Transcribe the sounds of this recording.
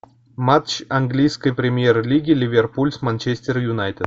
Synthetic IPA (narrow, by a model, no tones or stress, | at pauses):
mat̪t͡ɕɐnɡlʲijskəjpɾʲɪmʲjerlʲiɡʲɪlʲɪvʲerpulʲsmanʲt͡ɕesʲt̪ʲɪrjʊnajt̪ʲɪd̪